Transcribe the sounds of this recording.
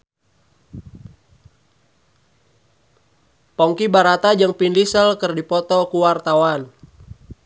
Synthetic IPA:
pɔŋkibaɾat̪ad͡ʒəŋpindisəlkərdipɔt̪ɔkuwart̪awan

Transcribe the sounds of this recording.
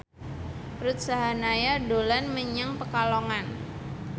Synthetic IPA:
ɾut̪̚saɦanajadolanməɲaŋpəkalɔŋan

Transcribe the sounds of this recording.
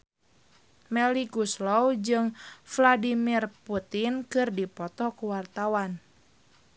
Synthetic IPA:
mɛliɡuslɔwd͡ʒɨŋfladimirput̪inkɨrdipɔt̪ɔkuwart̪awan

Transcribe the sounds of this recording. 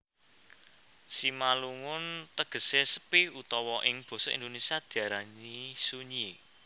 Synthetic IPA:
simaluŋʊnt̪əɡ̥ə̤sesə̥pɪhut̪ɔwɔʔɪŋb̥ɔ̤sɔḭnd̪onesiad̪̥i̤aɾaɲisuɲi

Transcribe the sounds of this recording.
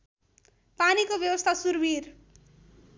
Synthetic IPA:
panikobjʌwʌst̪ʰasurbir

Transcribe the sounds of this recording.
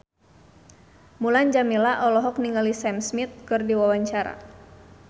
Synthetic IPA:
muland͡ʒamilaʔɔlɔɦɔk̚niŋalisɛmsmit̪̚kɨrdiwawaɲt͡ʃaɾa̰

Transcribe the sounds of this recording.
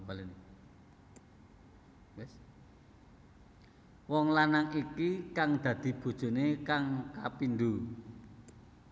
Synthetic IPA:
balini | wɛs | wɔŋlanaŋikikaŋd̪̥ä̤d̪̥i̤b̥o̤d̥ʒ̥o̤nekaŋkapind̪u

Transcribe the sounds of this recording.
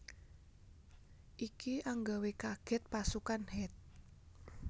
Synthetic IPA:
ʔikiaŋɡawekaɡ̥ɛ̤t̪̚pasukanhɛt̪̚

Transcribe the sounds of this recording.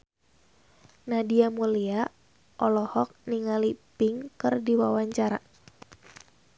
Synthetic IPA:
nadiamulia | ʔɔlɔhɔk̚niŋalipɪŋkɨrdiwawaɲt͡ʃaɾa

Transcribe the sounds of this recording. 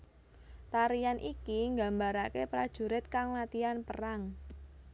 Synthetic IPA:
t̪aɾijanʔikiŋɡa̤mbaɾakepɾad̥ʒ̥ṳɾɪt̪̚kaŋlat̪ianpəɾaŋ

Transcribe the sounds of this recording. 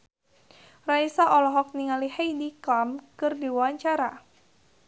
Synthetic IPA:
raisaʔɔlɔɦɔk̚niŋalihajdikamkɨrdiwawaɲt͡ʃaɾa

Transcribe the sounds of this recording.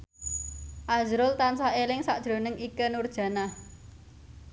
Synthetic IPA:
ʔazɾʊlt̪ansaelɪŋsa̰ʔd̥ʒ̥ɾo̤nəŋikənurd̥ʒ̥ä̤nah

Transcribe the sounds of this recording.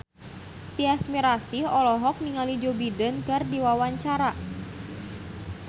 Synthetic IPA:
t̪iasmiɾasiɔlɔɦɔk̚niŋalid͡ʒobidənkərdiwawaɲt͡ʃaɾa

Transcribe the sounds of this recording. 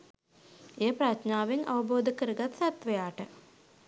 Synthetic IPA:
eːəprat̪naːʋeŋa̰ʋəboːd̪əkəɾəɡat̪sat̪ʋəjaːʈə

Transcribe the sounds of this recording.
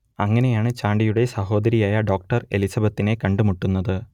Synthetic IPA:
ɐŋːɐne̞jaːɳɨt͡ɕaːɳɖijuɽe̞sɐho̞ːd̪ɐɾijaːjɐɖo̞ːk̚ʈɐre̞lisɐbɐt̪ːine̞kɐɳɖɨmuʈːunːɐðɨ

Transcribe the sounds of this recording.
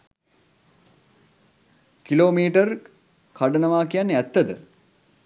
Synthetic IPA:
kiloːmiːʈər | kaɖənəʋaːkijanːæt̪ːəd̪ə̰

